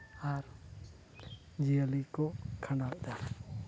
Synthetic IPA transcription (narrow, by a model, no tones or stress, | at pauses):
aɾ | d͡ʒiəlikɔkʰanald̪a